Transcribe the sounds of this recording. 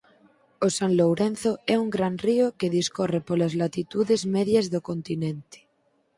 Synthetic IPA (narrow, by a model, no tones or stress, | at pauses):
osanlowɾẽnθoɛuŋɡɾanriokeðiskorepolazlat̪it̪uðezmeðjazðokont̪inẽnt̪e̥